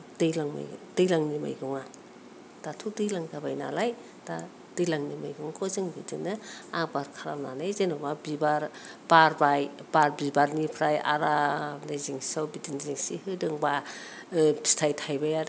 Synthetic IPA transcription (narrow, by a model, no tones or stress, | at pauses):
dɯjlaŋma̰d̥ɯjlaŋnima̰jɡɯŋa | d̥atʰudɯjlaŋɡabajna̰laj | d̥a | d̥ɯjlaŋnima̰jɡɯŋkʰɔzɯŋbidɯ̰nɯak̚baɾkʰaɾamna̰najzenɔwbabibaɾ | baɾbajbaɾbibaɾnipʰɾaja̰ɾanajziŋsawbidiŋziŋsḭhɯdɯŋba | bistʰajtʰajbaja